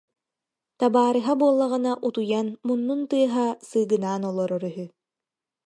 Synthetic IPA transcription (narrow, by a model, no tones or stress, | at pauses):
t̪abaːɾɯɦabuɔlˠːaʁɯnaʔut̪ujanmunːunt̪ɯɐɦasɯːɡɯnaːnɔlˠɔɾɔɾyɦy